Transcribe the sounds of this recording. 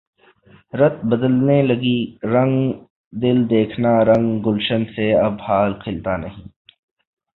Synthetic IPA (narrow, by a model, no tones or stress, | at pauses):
ɾɐt̪̚bɐd̪əlnelɐɡiɾɐ̃ŋɡ | d̪ɪld̪eːkʰnaɾɐ̃ŋɡɡʊlʃənseɐbhaːlkʰɪlt̪anɐɦĩː